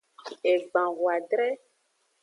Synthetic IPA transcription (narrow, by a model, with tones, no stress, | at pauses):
e˨ɡ͡bã˨wwa˨ɖɾɛ˦